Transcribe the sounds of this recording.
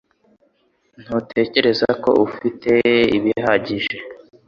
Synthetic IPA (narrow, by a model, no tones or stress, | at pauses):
n̥hutʰe̞ːce̞ɾe̞zako̞̰ʔufitʰe̞iβihaɟiʒe̞